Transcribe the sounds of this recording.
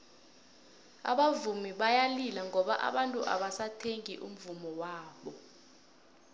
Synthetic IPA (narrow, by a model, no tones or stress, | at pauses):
a̰ɓavumiɓajalilaŋɔɓaʔa̰ɓantʼuʔa̰ɓasatʰeŋiʔṵm̩vumɔwaːɓɔ